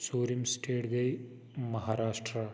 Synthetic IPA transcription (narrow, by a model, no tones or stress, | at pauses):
suɾimsʈʰeːʈɡɐj | mɐɦaːɾaːʂʈɾɐ